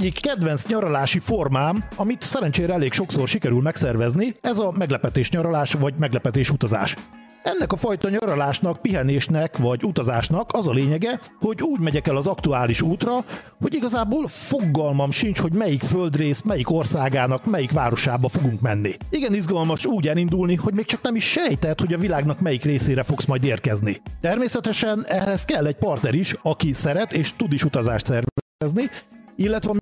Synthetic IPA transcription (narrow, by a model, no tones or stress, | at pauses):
ɟːikːɛd̪vɛnsɲɒɾɒlaːʃifo̞rmaːmɒmit̪sɛɾɛnt͡ʃeːɾɛɛleːkʃo̞kso̞rʃikɛɾylmɛksɛrvɛzniɛzɒmɛɡlɛpɛt̪eːʃɲɒɾɒlaːʃʋɒɟmɛɡlɛpɛt̪eːʃut̪ɒza̰ːʃ | ɛnːɛkɒfɒjt̪ɒɲɒɾɒlaːʃnɒk̚piɦɛneːʃnɛkʋɒɟut̪ɒzaːʃnɒkɒzɒleːɲɛɡɛ | ho̞ɟuːɟmɛɟɛkɛlɒzɒkt̪uaːliʃuːt̪rɒ | ho̞ɟiɡɒzaːboːlfo̞ɡɒlmɒmʃint͡ʃho̞ɟmɛjikføld̪reːsmɛjiko̞rsaːɡaːnɒkmɛjikʋaːɾo̞ʃaːbɒfo̞ɡuŋkmɛnːiiɡɛnizɡɒlmɒʃuːɟɛlind̪ulniho̞ɟmeːk̚t͡ʃɒknɛmiʃːɛjt̪ɛt̪ho̞ɟɒvilaːɡnɒkmɛjikreːseːɾɛfo̞ksmɒjd̪eːrkɛznit̪ɛrmeːsɛt̪ɛʃɛnɛlɛskɛlːɛɟ̚pɒrt̪nɛɾiʃɒkisɛɾɛt̪eːʃt̪ud̪iʃut̪ɒzaːʃt̪sɛrɛɛɛzniilːɛt̪ʋɛ